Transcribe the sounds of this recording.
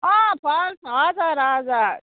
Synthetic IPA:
ãːpaːnsaːzaːɾaːzaː

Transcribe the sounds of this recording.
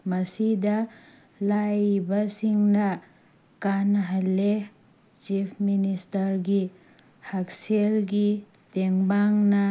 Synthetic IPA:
mɐsidɐ | lajbɐsiŋnɐ | kanɦalːe | t͡ʃipʰministɐɾɡi | hakselɡi | teŋbaŋnɐ

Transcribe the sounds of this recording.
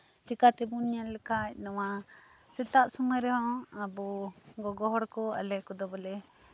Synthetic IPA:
t͡ʃikat̪ɛbuniɲalɛkac̚ˀnɔwasɛt̪aʔsumaɾɛɦɔ̃abɔɡɔɡɔɦɔɽkɔa̰lɛkɔd̪ɔbɔlɛ

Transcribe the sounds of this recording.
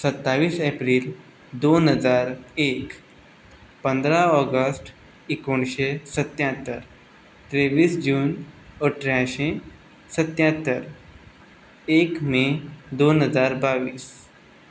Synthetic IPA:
sət̪ːaʋiːsepɾiːl | d̪onɦəd͡zaɾek | pənd̪ɾaɔɡəsʈ | ikoɳɕesət̪jãt̪ːəɾ | t̪ɾeʋiːsd͡ʑuːnəʈʰɾjãɕẽ | sət̪jãt̪ːəɾ | ekmed̪onɦəd͡zaɾbaʋiːs

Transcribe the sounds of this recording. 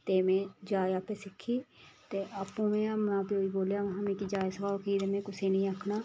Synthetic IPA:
t̪eːmẽd͡ʒaːjaːpesɪkʰːiːt̪eʔapõmẽmãːpioːiboːljaʋɐɦãmẽkid͡ʒaːjsɐbaːkiːɾemẽkʊsenɐɦĩəkʰnaː

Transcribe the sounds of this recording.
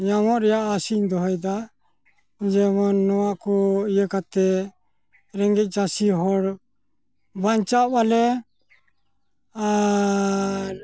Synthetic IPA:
ɲamɔʔɾɛjaʔasiɲd̪ɔɦɔjd̪a | d͡ʒɛmɔnːɔwaʔkɔijəkat̪ɛ | ɾɛŋɡɛc̚ˀt͡ʃasiɦɔɽ | baɲt͡ʃabalɛ | a | ɾ

